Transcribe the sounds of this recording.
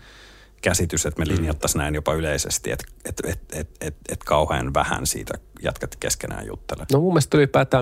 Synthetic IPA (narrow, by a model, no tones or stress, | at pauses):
kæsit̪yset̪meliniɑt̪ːɑsnæinjopɑyleisest̪iḛt̪et̪et̪et̪et̪et̪kʰɑuhḛnʋæhæ̰nsḭːt̪æ̰jæ̰t̪kæt̪keskenæ̰ːjṵt̪ːelenomumːest̪ulipæːt̪æː